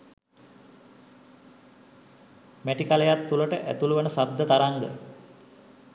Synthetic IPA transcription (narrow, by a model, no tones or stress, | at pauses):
mæʈikalejat̪ːuləʈəʔæ̰t̪uluʋənəsad̪ʱːət̪aɾaŋɡə̰